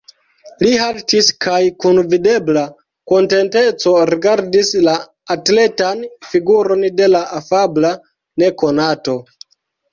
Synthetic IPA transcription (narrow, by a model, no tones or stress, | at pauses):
lihaltiskajkunvide̞bla | ko̞nte̞nte̞t͡so̞ɾiɡaɾdislaː | tle̞tanfiɡuɾo̞nde̞laʔafabla | ne̞ko̞nato̞